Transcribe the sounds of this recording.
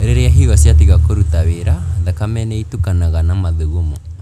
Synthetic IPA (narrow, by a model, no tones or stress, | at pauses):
ɾeɾeaɦiwasjatiɣakoɾutaweɾaðakamɛnɛitukanaɣanamaðuɣomɔ